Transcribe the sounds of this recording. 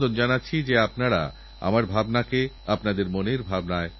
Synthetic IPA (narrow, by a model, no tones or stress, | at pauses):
d̪ond͡ʑanatːɕʰid͡ʑeapnaɾa̰ | a̰maɾbʱabnake | apnad̪eɾmoneɾbʱabnae